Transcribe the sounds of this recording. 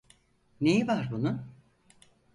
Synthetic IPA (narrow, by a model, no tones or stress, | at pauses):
nejivaɾbunʊ